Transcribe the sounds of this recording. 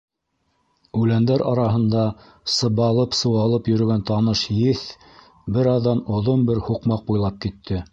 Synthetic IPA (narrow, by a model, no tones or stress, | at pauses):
ʉlænd̪æɾʔɑɾɑɦɤ̆nd̪ɑ | sɤ̆βɑlˠɤpsɤ̆wɑlˠɤpjɵ̆ɾɵ̆ɡænt̪ɑnɤʃjɘθ | bɘɾɑðːɑnŏðonbɘɾhuqmɑq̚bujlˠɑp̚kit̪ʰːɘ